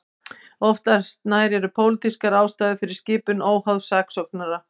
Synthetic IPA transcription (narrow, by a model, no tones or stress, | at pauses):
ɔft̪ast̪naːjɾɛɾʏpʰoːwlɪt̪iskaɾaːwst̪aːjðʏfɪɾɪɾ̥scɪːpʏnoːwhawðsaːksɔknaɾa